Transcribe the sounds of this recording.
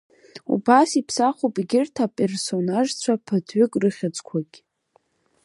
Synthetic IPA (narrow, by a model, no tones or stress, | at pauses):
ṵbasipʰsaχʷopʼɡʲɪrtʰapʼe̞rso̞naʒt͡ɕʷʰapʰatʰɥʏkʼrɨχʲat͡sʼkʷʰaɡʲ